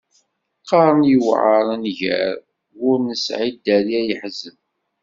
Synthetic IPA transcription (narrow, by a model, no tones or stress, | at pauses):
qɑɾˤənjəwʕəɾˤænʝæ̰ɾ | ʊɾnəsʕid̪ːæɾiæjəħzəv